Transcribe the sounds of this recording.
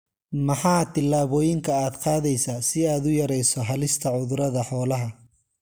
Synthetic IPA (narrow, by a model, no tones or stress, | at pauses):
mɐħɑːt̪ʰɪlːaːβɔːjɪŋkʰɐaːd̪qɑːðɛjsaːsɪaːd̪ʊjɐɾɛjsɔɦɐlɪst̪ʰɐʕʊðʊɾɐðɐħɔːlɐɦɐ